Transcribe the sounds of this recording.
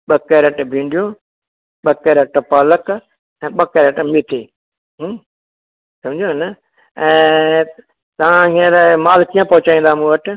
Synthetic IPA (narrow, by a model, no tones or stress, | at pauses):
ɓɐkeɾəʈbʱĩːɳɖʱijõː | ɓɐkeɾəʈpaːlək | ɛ̃ːɓɐkeːɾəʈmɪt̪ʰeː | ɦ | sɐmd͡ʑʱonə | ɛ̃ː | t̪ɐʋãɦẽɾmaːlkijãpɐɦʊt͡ɕaːĩnd̪aːmũːəʈ